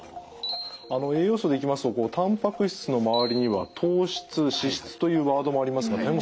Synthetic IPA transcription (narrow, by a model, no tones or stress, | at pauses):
ano̞e̞ːjo̞ːsod̪e̞ikʲimasɨ̥t̪o̞ko̞ːt̪ʰãmpakɯ̟ɕi̥t͡sɨno̞maβ̞aɾʲiɲ̟iβa̰t̪ʰo̞ːɕi̥t͡sɨɕiɕi̥t͡sɨ̥t̪o̞jɯ̟ːβaːd̪o̞mo̞aɾʲimasɨɡanaɲimo